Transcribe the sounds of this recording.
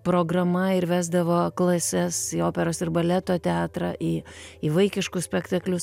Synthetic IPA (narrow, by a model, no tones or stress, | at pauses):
pɾoːɡɾɐmɐɪɾʋʲæːzd̪ɐʋoːklˠɐsʲɛsioːpʲɛɾoːsɪɾbɐlʲɛt̪oːt̪ʲɛɑːt̪ɾɑʔiːiʋɐɪkʲɪʃkʊssʲpʲɛkt̪ɐklʲʊs